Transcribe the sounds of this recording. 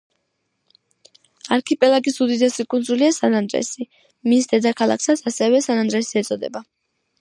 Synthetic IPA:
aɾkʰipʼɛlˠaɡʼisud̪id̪ɛsikʼunzuliasanand̪ɾɛ̰si | misd̪ɛd̪akʰalˠa̰ksat̪sʰasɛvɛsanand̪ɾɛsiɛt̪sʼɔd̪ɛ̰ba

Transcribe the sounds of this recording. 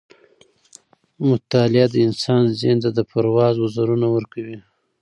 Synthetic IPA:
mʊt̪ɑlɪad̪əɪnsɑnzent̪ad̪əpaɾwɑzwazaɾunawəɾkawi

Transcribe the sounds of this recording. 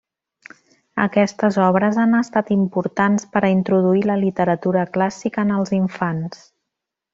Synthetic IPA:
ə̰kɛst̪əzɔβ̞ɾəzanəst̪at̪impuɾt̪anspəɾəint̪ɾuðuiləlit̪əɾət̪uɾəklasikəːnəlˠziɱfans

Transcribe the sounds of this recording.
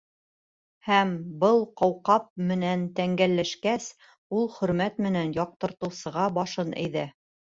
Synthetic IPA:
hæmbɤlˠqɑwqɑp̚mɘ̆nænt̪æŋɡælːæʃkæs | ulˠχɵ̆ɾmæt̪mɘ̆nænjɑq̚t̪ɤ̆ɾt̪ɤ̆wsɤ̆ʁɑbɑʃɤnæ̰jðæ

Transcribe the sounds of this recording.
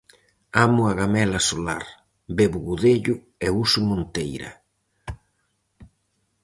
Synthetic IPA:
amʊaɣamɛlasola̰ɾ | beβʊɣuðeʎʊ | ɛusʊmõnt̪ejɾɐ̰

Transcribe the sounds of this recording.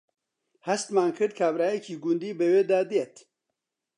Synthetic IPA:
hɐst̪maːnkʰɨɾd̪̚kʰaːbɾaːjekʰiːɡund̪iːbəweːd̪aːd̪ijet̪

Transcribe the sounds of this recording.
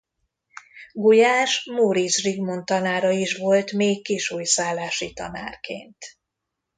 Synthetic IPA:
ɡujaːʃmoɾisriɡmo̞nt̪ɒnaːɾɒiʃʋo̞lt̪meːkːiʃuːjsaːlːaːʃit̪ɒ̰na̰ːrkḛːnt̪

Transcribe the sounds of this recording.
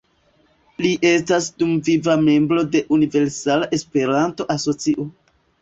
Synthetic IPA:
liʔe̞stasdumvivame̞mbɾo̞de̞ʔunive̞ɾsalaʔe̞spe̞ɾanto̞ʔaso̞t͡siʔo̞

